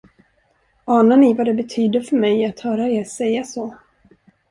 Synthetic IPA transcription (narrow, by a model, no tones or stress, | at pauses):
ɑːnaɳɪvad̪ɛbɛt̪ʰyːd̪əɾfœɾmɛjat̪hœːɾaeːɾsɛjːasoː